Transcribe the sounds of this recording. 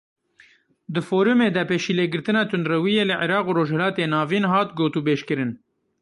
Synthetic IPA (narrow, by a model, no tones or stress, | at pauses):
d̪ɨfoːɾumeːd̪ɛpeːʃiːleːɡɨɾt̪ɨnɑːt̪ʰʊnd̪ɾɐwijeːlɨʕɪɾɑːquɾoːʒhɛlɑːt̪eːnɑːviːnɦɑːt̪ɡoːt̪uːbeːʃkɨɾɨn